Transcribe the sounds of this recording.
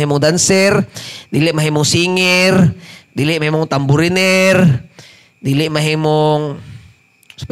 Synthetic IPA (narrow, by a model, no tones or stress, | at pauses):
ɦimʊŋd̪ansɛrdiliʔmaɦimʊŋsiŋɛrdiliʔmaɦimʊŋt̪ambuɾinɛr | d̪iliʔmaɦimʊŋ | s